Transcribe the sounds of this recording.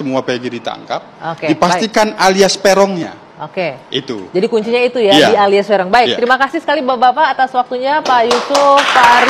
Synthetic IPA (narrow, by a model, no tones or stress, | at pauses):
əmuapeɡidit̪a̰ŋkap̚okedipasst̪ikanaliaspeɾɔŋɲa̰ | ʔokeit̪ṵd͡ʒadikuɲt͡ʃiɲait̪ujadialiaspɛɾɔŋbaɪkt̪ɾimakasɪhsəkalibabapaːt̪aswak̚t̪uɲapajusʊfpaɾ